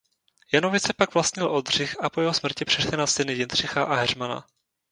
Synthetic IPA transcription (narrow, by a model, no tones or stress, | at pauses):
janovɪt͡sɛpaɡvlastɲɪlʔod̪r̝̥ɪxapo̞jɛɦo̞smr̩cɪpr̥ɛʃlɪnasɪnɪjɪnd̪r̝̥ɪxaʔaɦɛr̝mana̰